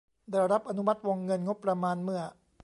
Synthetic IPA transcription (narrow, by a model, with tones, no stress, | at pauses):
daː˧˩jɾa˦˥p̚ʔa˧nu˦˥ma˦˥t̪̚wo˧ŋːɤ˧nŋo˦˥pːɾa˧maː˧nmɯ˥˩ɐ